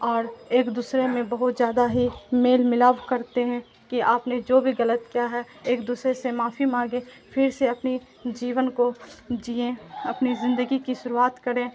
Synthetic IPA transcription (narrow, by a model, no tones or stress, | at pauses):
ɔːɾeːkd̪uːsɾemẽbɐɦʊt̪zjaːd̪aɦimeːlmɪlaːʋkɐɾt̪eɦɛ̃ | kiaːpned͡ʒoːbʱiɣɐlət̪kijaɦɛ | eːkd̪uːsɾesemaːfimãːɡẽ | pʰɪɾseɐpni | d͡ʒiːʋənkod͡ʒiːẽɐpnizɪ̃nd̪əɡikiʃʊɾuaːt̪kɐɾẽː